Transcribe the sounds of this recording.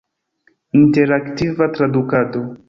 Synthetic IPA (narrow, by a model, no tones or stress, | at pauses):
inte̞ɾaktivatɾadukado̞